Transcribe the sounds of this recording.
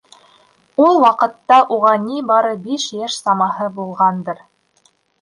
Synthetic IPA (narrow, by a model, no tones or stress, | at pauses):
ulˠwɑqɤ̆t̪ːɑʔuʁɑnibɑɾɤbiʃjæʃsɑmɑɦɤbulˠʁɑnd̪ɤɾ